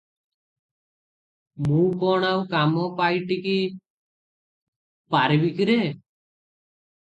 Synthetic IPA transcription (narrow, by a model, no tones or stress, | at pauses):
mũːkɔɳawkamɔpajʈiki | paɾbikɾe